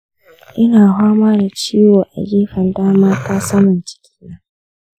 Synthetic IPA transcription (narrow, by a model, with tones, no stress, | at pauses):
ʔɪ˦naː˨ɦaː˦maː˦da˨t͡ʃiː˦woː˨ʔa̰˨ɡʲieː˦ɸɐ˨ndaː˦maː˦taː˦sa˦mʊ˨nt͡ʃɪ̥˨kʲi̥ː˦naː˦